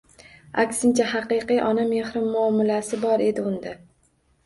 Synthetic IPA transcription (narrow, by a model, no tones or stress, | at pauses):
akʲsɪnt͡ʃʰahɑqɨjqɨjʔɒnamehɾɪmːʊɒmʊlasɪbɒɾe̞d̪ɪʊnd̪a